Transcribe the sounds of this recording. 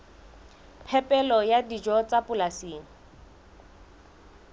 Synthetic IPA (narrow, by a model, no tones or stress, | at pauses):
pʰɛpʼɛlɔjadid͡ʒɔt͡sapʊlasiːŋ̩